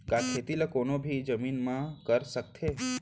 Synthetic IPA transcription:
kãkʰet̪iləkonobʱid͡ʒəminmãkəɾʃək̚t̪ʰe

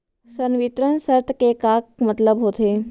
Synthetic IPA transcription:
sənʋɪt̪ɾənsəɾt̪əkekaːk̚mɐt̪ləbɦoːt̪eː

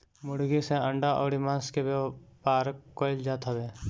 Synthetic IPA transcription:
mʊɽɡiseə̃ɳɖaʔɔ̰ːɽimãːnskebpaːɾkoɪld͡ʒaːt̪ɦɔbeː

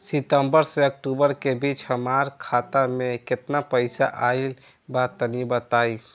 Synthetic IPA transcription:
sit̪əmbəɾseək̚ʈubəɾkebit͡ʃhəmaɾkʰat̪ameket̪napəɪsa̰ʔail | bat̪ənibət̪aj

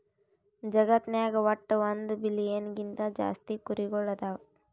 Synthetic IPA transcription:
d͡ʒɐɡɐt̪naːɡɐʋɐʈːɐʋɐnd̪ubilijenɡint̪ɐd͡ʒa̰ːst̪ikuɾiɡɔɭːɐd̪a

